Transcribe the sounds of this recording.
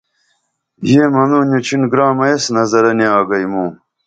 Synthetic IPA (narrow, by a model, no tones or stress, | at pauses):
jeːmɐnuːnut͡ɕʰinɡɾaːmɐjesnɐzɐɾɐneaːɡɐjmuː